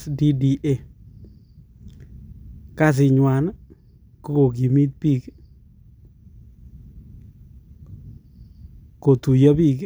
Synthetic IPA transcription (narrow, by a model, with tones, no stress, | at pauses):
di˦di˨ʔe˦˨ | ka˦s̬ɪ˨ɲwa˨n | ko˦ko˨k̬i˨mi˦t̪̚pi˦˨k | ko˨t̪u˨ja˦pi˦˨k